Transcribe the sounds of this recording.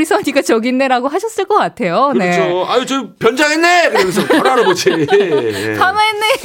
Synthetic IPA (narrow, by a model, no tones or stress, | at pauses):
ɾisʰʌɲiɡat͡ɕʌɡinːeɾaɡoɦaɕʰʌs͈ɯɭk͈ʌk͈atʰe̞joɯne̞oait͡ɕopjʌnd͡ʑaŋenːekɯɾʌmensʰʌkaɾaɾɯbod͡ʑʰi | sʰanaenːe